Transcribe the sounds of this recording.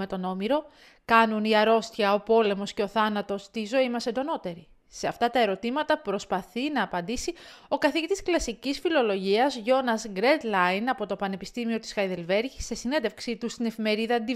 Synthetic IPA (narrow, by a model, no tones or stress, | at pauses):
me̞t̪o̞no̞miɾo̞ | kɐnuniɐɾo̞st̪çɐo̞po̞le̞mo̞sce̞o̞θɐnɐt̪o̞st̪izo̞imɐsend̪o̞no̞t̪e̞ɾi | se̞ɐft̪ɐt̪ɐe̞ɾo̞t̪imɐt̪ɐpɾo̞spɐθinɐːpɐnd̪isio̞kɐθicit̪i̥sklɐsicisfilo̞lo̞ʝiɐzʝo̞nɐzɡɾe̞d̪lɐjnɐpo̞t̪o̞pɐne̞pist̪imio̞t̪i̥sxɐjðe̞lve̞ɾʝisːesinend̪e̞fksit̪ust̪inefime̞ɾiðɐːnd̪i